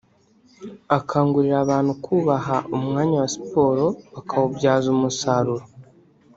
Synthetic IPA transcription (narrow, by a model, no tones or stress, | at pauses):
akʰaːŋɡuɾiɾaːβaːn̥hukʰuːβaɦaʔumŋaːɲawasi̥po̞ːɾo̞βakʰawobɟaːzumusaːɾuɾo